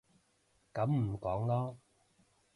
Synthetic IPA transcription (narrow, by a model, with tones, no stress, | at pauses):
kɐ˨˥mm̩˨˩kɔː˨˥ŋlɔː˦˥